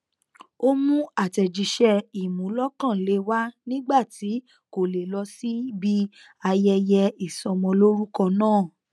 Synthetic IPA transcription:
o˦mũ˦a˨tɛ˨d͡ʒi˨ʃɛ˧i˨mũ˨˦lɔ˦kã˦˨le˨˦wa˦nĩ˦ɡ͡ba˦˨ti˨˦ | ko˨le˨lɔ˧si˦bi˦ | a˧jɛ˧jɛ˧i˨sɔ˧mɔ̃˧lo˦ɾu˦kɔ̃˧nãː˦˨

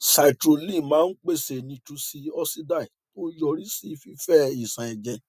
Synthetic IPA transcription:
sa˨i˨tɾo˨lĩ˦˨mãː˨˦n̩˦k͡pe˦˨se˧˨nĩ˧tũ˧si˧ɔ˧si˦da˦˨i˨to˦jɔ˧˨ɾi˦si˦˧fi˦fɛ˦i˨sã˨ɛ˨d͡ʒɛ˨

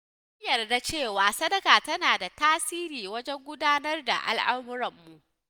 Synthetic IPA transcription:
ʊ˦jɐ˨rda˦t͡ʃeː˦˨waː˨sɐ˦dɐ˦kaː˨tɐ˦naː˨da˨taː˦siː˦ɾiː˨wɐ˦d͡ʒɛ˦ŋɡʷʊ˦daː˦nɐ˦rda̰˨ʔa̰˨lʔa˦mʊ˦ɾɐ˨mːu˨ʔ

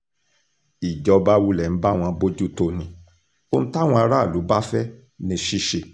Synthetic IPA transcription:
i˨d͡ʒɔ˨˦ba˦wu˦lɛ˨ñ̩˨˦ba˦˨w̃ɔ̃˧bo˦d͡ʒu˦˨to˧˨nĩ˧ | o˦ñ̩˦ta˦w̃ɔ̃˧a˧ɾa˦˨lu˨˦ba˦fɛ˦ | nĩ˧ʃi˦ʃe˧˨

